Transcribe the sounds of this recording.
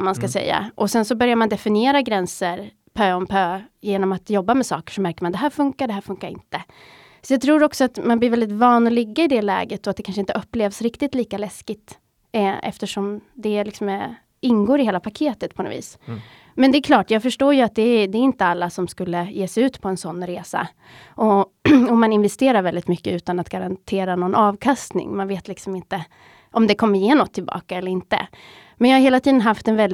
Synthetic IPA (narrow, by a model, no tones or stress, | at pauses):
manskasɛ̰jːa̰ʔɔsɛnsɔbœɾjaɾmand̪ɛfɪnɪeːɾaɡɾɛnsəɾ | pʰœːɔmpʰøːjeːnɔmat̪jɔbːamɛsɑ̰ːkə̥ʂɔmæɾkəɾmand̪ɛɦæːɾfɵŋkaɖɛɦæːɾfɵŋkaɾɪ̰nt̪ə | sɔjɑɡ̚t̪ʰɾuːɾɔksɔat̪manblɪɾvɛld̪ɪt̪vɑːnɔlɪɡːaɪd̪ɛlɛ̰ːɡət̪ɔat̪̚d̪ɛkʰanʂ̬əɪnt̪əʔɵpːleːvsɾɪkt̪ɪt̪liːkalɛskɪt̪ | ɛ̰ft̪əʂɔmd̪ɛlɪksɔmɛ | ɪnːɡoːɾɪheːlapʰakʰeːt̪ət̪̚pʰɔnɔ̰vḭːs | mɛnd̪ɛɛkʰlɑːʈjɑːɡfœʂʈoːjɵat̪̚d̪ɛd̪ɛːɾɪnt̪əalːasɔmskɵlːəjeːsɛjʉ̟ːt̪pʰɔɛnsɔnːɾeːsa̰ | ʔɔɔmːanɪnvɛst̪eːɾaɾvɛld̪ɪt̪mʏkːəʉ̟ːt̪anat̪ɡ̥aɾant̪ʰeːɾanɔnʔɑːvkʰast̪nɪ̰ŋmanveːt̪lɪksɔmɪnt̪ə | ʔɔmd̪ɛkʰɔmːəɾjeːnɔt̪ʰːɪlbɑ̰ːkaɛlːəɾɪnt̪ə̰ | mɛnjɑːhaɾɦeːlat̪ʰiːd̪ənɦaft̪ɛnvɛld̪